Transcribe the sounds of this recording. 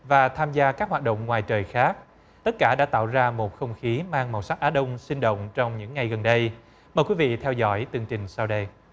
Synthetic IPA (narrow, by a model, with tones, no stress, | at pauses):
vaː˨˩t̪ʰaː˧mzaː˧kaː˦˥k̚hwaː˨˩t̚ɗə̰˧˨wŋ͡mŋwaː˨˩jt͡ɕəː˨˩jxaː˦˥k̚ | t̪ə˦˥t̚kaː˧˩ɗa̰ː˧˥t̪a̰ː˧˨wzaː˧mo˨˩t̚xə˧wŋ͡mxi˨˦maː˧ŋma˨˩wsa˦˥t̚ʔaː˨˦˥ɗə˧wŋ͡msï˧ŋɗo̰˧˨wŋ͡mt͡ɕɔ˧wŋ͡mɲɨ̰˧˥ŋːa˨˩jɣə˨˩nɗə˧j | məː˨˩jkwi˨˦vḭ˧˨t̪ʰɛ˧wzɔ̰˧˥jt̪ɨ˨˩əŋt͡ɕï˨˩ŋ̟saː˧wɗə˧j